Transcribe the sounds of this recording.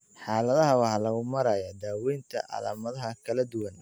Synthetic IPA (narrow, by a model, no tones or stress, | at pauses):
ħɑːlɐðɐɦɐwɑħlɐɣʊmɐɾaːjad̪aːwɛjnt̪ʰɐ̰ʔɑ̰la̰ːmɐðɐɦɐkʰɐlɐd̪ʊwɐn